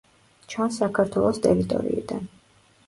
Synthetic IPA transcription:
t͡ʃʰansːakʰaɾt̪ʰwɛlˠɔst̪ʼɛɾit̪ʼɔ̰ɾḭid̪an

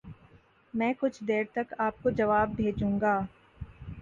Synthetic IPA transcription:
mɛ̃ːkʊt͡ʃʰd̪eːɾt̪ɐkaːp̚kod͡ʒɐʋaːb̚bʱeːd͡ʒũːŋɡaː

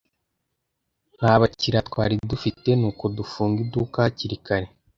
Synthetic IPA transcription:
n̥haːβaciɾatwaːɾidufite̞nuːko̞dufuːŋɡiduːkaciɾikaɾe̞

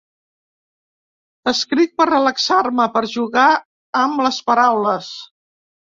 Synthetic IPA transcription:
əskɾit̪̚pərrələksaɾməpəɾʒuɣa | əmləspəɾawləs

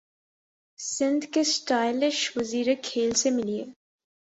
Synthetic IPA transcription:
sɪ̃nd̪kesʈaːɪlɪʃʋɐziːɾekʰːeːlsemɪlieː

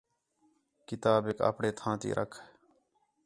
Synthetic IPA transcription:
kɪt̪aːbeka̰ːpɳeːt̪ʰãːt̪ḭːɾʔəkʰ

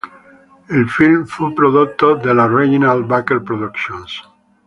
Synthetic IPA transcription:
elfilmfupɾoðuk̚t̪oðelareɣinalbakelpɾoðukʃjõns

